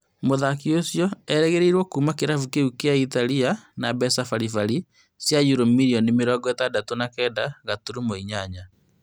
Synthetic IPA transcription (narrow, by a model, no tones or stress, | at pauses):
moðakiosjɔɛɾɛɣeɾeiɾwɔkumakeɾafukeukeaitalianabɛsafaɾifaɾi | sjajuɾomiɾiɔnimeɾɔɡɔɛtadatonakɛːdaɣatuɾumoiɲaɲa